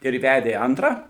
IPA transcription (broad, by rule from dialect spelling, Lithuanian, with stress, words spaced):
ɪr ˈʋʲædʲeː ˈɐntrɑː